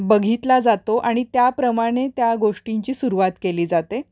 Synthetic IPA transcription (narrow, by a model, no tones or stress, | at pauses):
bəɡʱit̪lad͡zat̪oʔaɽ̃it̪japɾəmaɽ̃et̪jaɡoʂʈiɲt͡ɕiːsuɾuʋat̪keliːd͡zat̪e